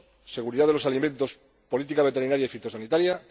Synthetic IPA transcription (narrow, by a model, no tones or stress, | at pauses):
se̞ɣ̞uɾiðaðelo̞saliment̪o̞s | po̞lit̪̬ikaβe̞t̪einaɾjaifit̪o̞sanit̪aɾja